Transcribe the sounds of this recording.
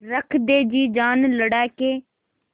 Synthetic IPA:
ɾəkʰd̪eːd͡ʒiːd͡ʒaːnləɽaːkeː

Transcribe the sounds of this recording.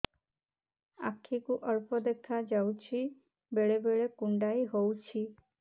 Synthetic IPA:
a̰kʰːikuʔʌɾpɔd̪ekʰad͡ʒawt͡ʃʰi | beɭebeɭekuɳɖajɦowt͡ʃʰi

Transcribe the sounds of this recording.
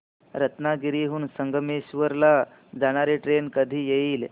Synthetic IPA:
ɾət̪naɡiɾiɦuːnsəŋɡʱəmeɕʋəɾla | d͡zaɽ̃aɾeʈɾenkəd̪ʱiːjeiːl

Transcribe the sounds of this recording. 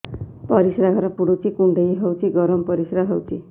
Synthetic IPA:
pɔɾisɾaɦɔɾɔpuɽut͡ʃʰikuɳɖejɦewt͡ʃʰiɡɔɾɔmɔpɔɾisɾaɦewt͡ʃʰi

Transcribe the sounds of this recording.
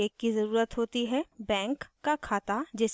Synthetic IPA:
eːkːizɐɾuːɾət̪ɦoːt̪iɦɛbɛ̃ːŋkːakʰaːt̪ad͡ʒɛs

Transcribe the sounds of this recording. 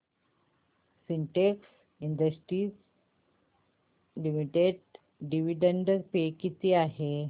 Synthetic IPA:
siɳʈeks | iɳɖ̪əsʈɾiːs | limiʈeɖ | ɖiʋiɖeɳɖəɾpekit̪iaɦe

